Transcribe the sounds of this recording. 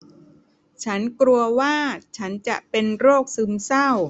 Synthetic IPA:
t͡ɕʰa˦˥nkɾu˧ɐwaː˥˩t͡ɕʰa˦˥nt͡ɕa̰˨˩ʔpe˧nɾoː˥˩k̚sɯ˧msa˥˩w

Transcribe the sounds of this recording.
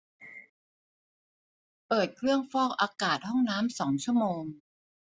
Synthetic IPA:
pɤː˨˩t̪̚kʰɾɯ˥˩əŋfɔː˥˩k̚ʔaː˧kaː˨˩t̪̚hɔ˥˩ŋnaː˦˥msɔː˩˦ŋt͡ɕʰu˥˩əmoː˧ŋ

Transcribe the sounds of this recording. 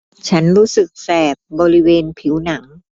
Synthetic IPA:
t͡ɕʰa˦˥nɾuː˦˥sɯ˨˩k̚sɛː˨˩p̚bɔː˧ɾi˦˥weː˧npʰi˩˦wna˩˦ŋ

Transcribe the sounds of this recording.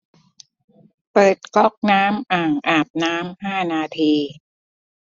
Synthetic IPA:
pɤː˨˩t̪̚kɔ˦˥˩k̚naː˦˥mʔaː˨˩ŋʔaː˨˩p̚naː˦˥mhaː˥˩naː˧t̪ʰiː˧

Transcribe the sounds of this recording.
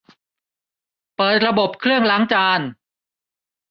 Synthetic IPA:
pɤː˨˩t̪̚ɾa˧bo˨˩p̚kʰɾɯ˥˩əŋla˦˥ŋt͡ɕaː˧n

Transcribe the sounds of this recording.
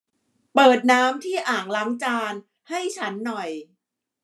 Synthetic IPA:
pɤː˨˩t̪̚naː˦˥mt̪ʰiː˥˩ʔaː˨˩ŋla˦˥ŋt͡ɕaː˧n | ha˥˩jt͡ɕʰa˦˥nːɔ˨˩j

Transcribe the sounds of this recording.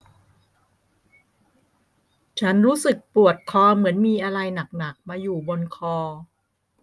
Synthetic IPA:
t͡ɕʰa˦˥nɾuː˦˥sɯ˨˩k̚pu˨˩ət̪̚kʰɔː˧mɯ˩˦ənmiː˧ʔa˧ɾa˧jna˨˩k̚na˨˩k̚maː˧juː˨˩bo˧nkʰɔː˧

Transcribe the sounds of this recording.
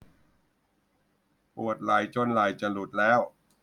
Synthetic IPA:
pu˨˩ət̪̚la˨˩˦jt͡ɕo˧˥˩nla˨˩˦jt͡ɕa˨˩lu˨˩t̪̚lɛː˦˥w

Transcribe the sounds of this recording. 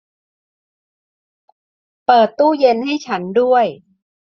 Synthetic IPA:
pɤː˨˩t̪ːuː˥˩je˧nha˥˩jt͡ɕʰa˦˥ndu˥˩əj

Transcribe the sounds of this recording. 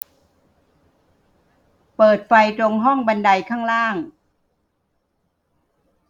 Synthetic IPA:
pɤː˨˩t̪̚fa˧jt̪ɾo˧ŋɦɔ˥˩ŋba˧nda˧jkʰaː˥˩ŋɾaː˥˩ŋ

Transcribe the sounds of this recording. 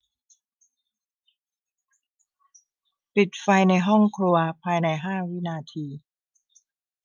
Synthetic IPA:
pi˨˩t̪̚fa˧jna˧jɦɔ˥˩ŋkʰɾu˧ɐpʰaː˧jna˧jɦaː˥˩wi˦˥naː˧t̪ʰiː˧

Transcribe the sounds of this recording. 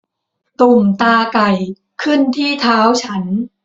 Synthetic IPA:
t̪u˨˩mt̪aː˧ka˨˩j | kʰɯ˥˩nt̪ʰiː˥˩t̪ʰaː˦˥wt͡ɕʰa˦˥n

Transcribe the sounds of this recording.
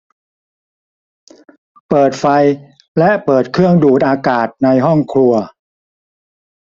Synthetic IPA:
pɤː˨˩t̪̚fa˧j | lɛ˦˥ʔpɤː˨˩t̪̚kʰɾɯ˥˩əŋduː˨˩t̪̚ʔaː˧kaː˨˩t̪̚na˧jɦɔ˥˩ŋkʰlu˧ɐ

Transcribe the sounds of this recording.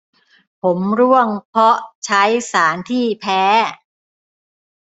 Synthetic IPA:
pʰo˩˦mɾu˥˩əŋpʰɔ˦˥ʔt͡ɕʰa˦˥jsaː˩˦nt̪ʰiː˥˩pʰɛː˦˥

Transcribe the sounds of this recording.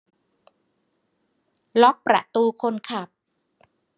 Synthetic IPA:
lɔ˦˥k̚pɾa̰˨˩ʔt̪uː˧kʰo˧nkʰa˨˩p̚

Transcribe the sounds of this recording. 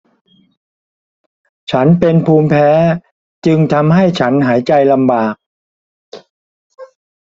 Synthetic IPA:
t͡ɕʰa˦˥npe˧npʰuː˧mpʰɛː˦˥ | t͡ɕɯ˧ŋt̪ʰa˧mɦa˥˩jt͡ɕʰa˦˥nɦaː˩˦jt͡ɕa˧jla˧mbaː˨˩k̚

